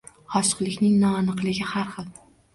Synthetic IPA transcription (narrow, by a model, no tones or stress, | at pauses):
ɒʃɨ̥qlˠɪkʲnɪŋnɒanɨqlɪɡʲɪhaɾχɨl